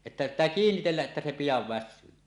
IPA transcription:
etːæ pitˑæː kiːnːitelːæʔ ʔetːæ se pijɑʋ ʋæsˑyː

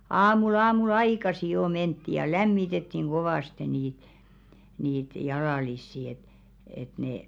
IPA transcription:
ɑːmul ɑːmul ɑikɑsi jo mentːi jɑ læmːitetːiŋ ɡ̊oʋɑˑste niːt niːt jɑlɑˑlisːi et et neˑ

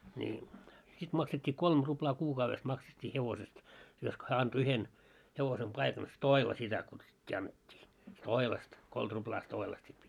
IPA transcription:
nʲi sit mɑksettʲiː kolm ruplɑː kuːkɑuʋes mɑksetʲːiː heʋosest josko hæː ɑnto yhen heʋosem pɑikɑn stoilɑ sitæ kutsutʲːiː ɑnːetʲːiː stoilɑst kolt ruplɑː stoilɑst sit

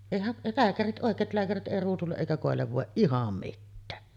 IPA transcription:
eˑihæʔ læːkærit ʔoˑekˑeːt læːkærit ʔeˑi ruːsulːeʔ ʔeˑikæ koˑelːeʋ ʋoˑeʔ ʔihɑm mitːæː

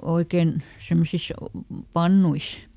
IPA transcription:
oikeˑn semːosis pɑnːuis

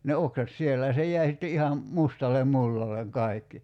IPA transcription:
ne oksɑt sielːæ jɑ se jˑæi sitːe ihɑm mustɑlem mulːɑleŋ kɑi̞kːi

